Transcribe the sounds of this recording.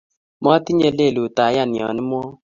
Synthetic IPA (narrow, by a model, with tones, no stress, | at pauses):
mɔ˦ti˦ɲe˧le˦˨lu˨taː˨˦ja˦˨ni˨ɔ̰˨ni˦m˦ɔ˦